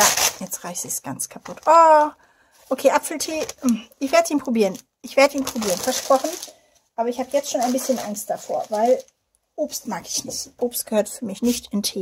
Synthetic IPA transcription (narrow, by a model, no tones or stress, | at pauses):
jajɛt͡stʁaɪçz̥iːsɡ̥ant͡skʰapʰʊtʰʔoː | ʔokʰeːʔapfl̩tʰeːm̩ʔɪçv̥eːɐdəiːnpʁ̥obiːʁən | ʔɪçv̥eːɐdəiːnpʁ̥obiːʁənfɛɐʃpʁ̥ɔχn̩ | ʔaːbɐɪçhaːbəjɛt͡stʃoːnaɪnbɪsçənʔa̰ŋst̚d̥afoːɐvaɪl | ʔoːpstmaːkɪ̥çnɪçtʔoːpst̚ɡ̥əhøːɐtfyːɐmɪçnɪçtɪntʰeː